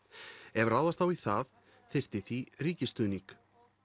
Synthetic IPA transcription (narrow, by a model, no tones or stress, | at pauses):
ɛvrawðast̪awiθað | θɪr̥t̪ɪθiriːcɪst̪ʏːniŋk